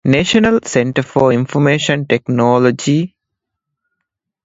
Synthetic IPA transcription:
neʃənəlsẽɳʈəɾfɔɾĩnfɔmeːʃə̃nʈeknɔːlɔd͡ʒi

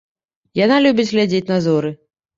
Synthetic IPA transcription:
janalʲubʲit͡sʲɣlʲad͡zʲet͡sʲnazɔɾɨ

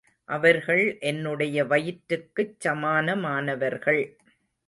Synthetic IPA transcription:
ʔɐʋɐɾɣɐɭʔɛnːɯɽɐjɐʋɐjɪʈɾɯkːɯt͡ʃsɐmaːnɐmaːnɐʋɐɾɣɐɭ

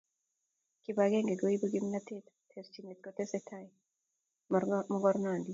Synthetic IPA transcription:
kibaɡeŋɡeɡoibuɡimnat̪et̪tʰest͡ʃimet̪̚kɔt̪esɛt̪ʰaj | mɔɡɔɾnand̪i

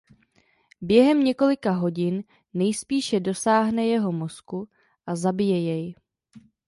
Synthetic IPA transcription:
bjɛɦɛmɲɛko̞lɪkaɦo̞ɟɪnː | ɛjspiːʃɛdo̞saːɦnɛjɛɦo̞mo̞sku | ʔazabɪjɛjɛj

